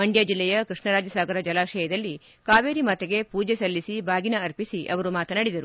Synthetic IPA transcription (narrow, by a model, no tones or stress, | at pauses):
mɐɳɖjaːd͡ʒilːɛjɐkɾiʂɳɐɾaːd͡ʒɐsaːɡɐɾɐd͡ʒɐlaːʃɐjɐd̪ɐlːi | kaːʋeːɾimɐt̪eɡe̞puːd͡ʒesɐlːisibʱaːɡinɐɐɾpisiʔɐ̰ʋɐɾumaːt̪ɐnɐɽid̪ɐɾu